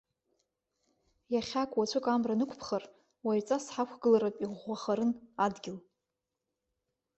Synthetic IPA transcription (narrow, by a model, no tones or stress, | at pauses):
jaχʲakʷʼwat͡ʃʷʰɨkʼamranɨkʷʰpʰχar | wait͡sʼasħakʷʰɡɨlaɾapʼiʁʷaχaɾɨnadɡʲɪl